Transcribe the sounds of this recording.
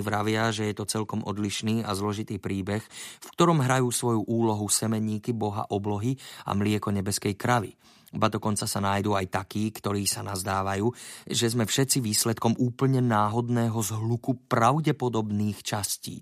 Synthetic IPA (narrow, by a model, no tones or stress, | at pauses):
ʋɾaʋɪaʒɛjɛt̪ɔt͡sɛlkɔmʔɔ̰d̪liʃniːa̰zlɔʒit̪iːpɾiːbɛxfkt̪ɔɾɔmɦɾajuːsʋɔjuʔuːlɔɦusɛmɛɲiːkibɔɦa̰ʔɔblɔɦia̰mlɪɛkɔɲɛbɛskɛjkɾaʋḭ | ibad̪ɔkɔnt͡sasanajd̪uːajt̪akiːkt̪ɔɾiːsanazd̪aːʋajuːʒɛzmɛfʃɛt̪t͡siʋiːslɛt̪kɔmuːpl̩ɲɛnaːɦɔd̪nɛːɦɔzɦlukupɾaʊɟɛpɔd̪ɔbniːxt͡ʃascḭː